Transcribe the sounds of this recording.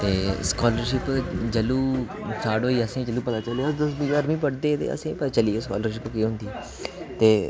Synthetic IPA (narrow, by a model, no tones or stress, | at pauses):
t̪eːskɔːləɾʃɪpd͡ʒəluː | saːɽoːiːəsãːid͡ʒəluːpət̪aːt͡ʃəleːəsd̪əsbiəɾmĩːp̬əɽd̪eːt̪ḛːə̰sãːpət̪at͡ʃəliːeskɔ̰ːləɾʃɪpkiːɦʊ̃nd̪iː | t̪eː